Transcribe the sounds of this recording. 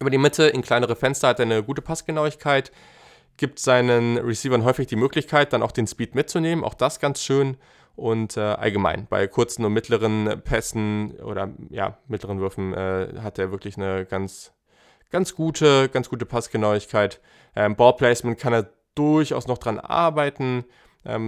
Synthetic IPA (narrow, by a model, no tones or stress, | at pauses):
ʔyːbɐdiːmɪtʰəɪnkʰl̥aɪnəʁ̞əfɛnstɐhateːɐnəɡuːtə̥pʰasɡ̥ənaʊɪçkʰaɪt | ɡ̥iːp̚tz̥aɪnənʁisiːvɐnɦɔʏfɪçd̥iːmøːklɪçkʰaɪt̚d̥anʔaʊxd̥eːnspiːtmɪt̚t͡suneːmənʔa̰ʊxd̥asɡ̥ansʃøːn | ʔʊntʔɛːʔa̰lɡəma̰ɪnb̥a̰ɪkʰʊɐt͡sn̩ʊntmɪtʰləʁ̞ənpʰɛsn̩ʔo̰ːɾɐ̰ja̰ːmɪtləʁ̞ənvʏɐfn̩ʔɛ̰ːɦat̚d̥eːɐvɪɐklɪçnəɡ̥ant͡s | ɡ̥ant͡sɡ̥uːtʰəɡ̥ant͡sɡ̥uːtəpʰasɡ̥ənaʊɪçkʰaɪt | ʔɛːmbɔːlpʰl̥ɛɪsmɛnkʰaneːɐ | d̥ʊɐçʔa̰ʊsnɔχd̥ʁanʔa̰ɐbaɪtn̩ | ʔɛ̰ːm